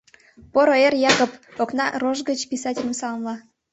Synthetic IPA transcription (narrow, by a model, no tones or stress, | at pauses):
poɾoerjɑkopoknɑroʒɡət͡ɕpʲisɑtʲɪlʲə̆msɑləmlɑ